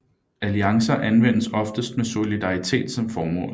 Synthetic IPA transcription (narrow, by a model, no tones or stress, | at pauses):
æliɑ̈ŋsɐʔænʋen̰əsɒ̽fd̥əsd̥meso̝lid̥ɑ̈ʁit͡sʰe̝̰ːd̥sɒ̽mfɒːmɔ̰̽ːl